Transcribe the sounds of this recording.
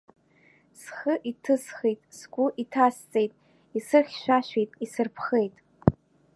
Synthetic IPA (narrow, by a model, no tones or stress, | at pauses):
sχəʔitʰɨsχejtʼsɡʷʼʊʔitʰast͡sʼejtʼ | isɨχʲʃʷᶣaʃʷᶣejtʼisɨrpʰχe̞jtʼ